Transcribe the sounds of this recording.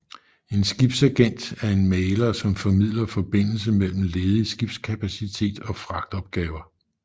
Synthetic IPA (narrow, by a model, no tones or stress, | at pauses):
e̝nsɡ̥ib̥sæɡ̥en̰d̥æɐe̝nmeɪlɐsɒ̽mfɒ̽mið̞̰ˠlɐfɒ̽b̥e̝n̰l̩səmel̰m̩le̝ːðˠisɡ̥ib̥skʰæpʰæsit͡sʰe̝̰ːd̥ɒ̽fʁɑ̈ɡ̥̚d̥ɒ̽b̥̚ɡ̥ɛːʊɐ